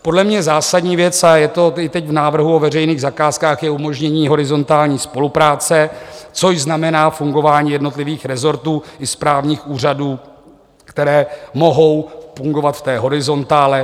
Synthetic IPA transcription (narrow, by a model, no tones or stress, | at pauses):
po̞dlɛmɲɛzaːsadɲiːvjɛt͡sajɛt̪o̞ɪt̪ɛcvnaːvr̩ɦuovɛrɛjniːɣzakaːskaːxjɛumo̞ʒɲɛɲiːɦo̞ɾɪzo̞nt̪aːlɲiːspo̞lupɾaːt͡sɛt͡so̞ʒznamɛnaːfuŋɡo̞vaːɲiːjɛdno̞t̪lɪviːxɾɛzo̞ɾt̪uːɪspɾaːvɲiːxuːraduː | kt̪ɛɾɛːmo̞ɦo̞wfuŋɡo̞vat̪ft̪ɛːɦo̞ɾɪzo̞nt̪aːlɛ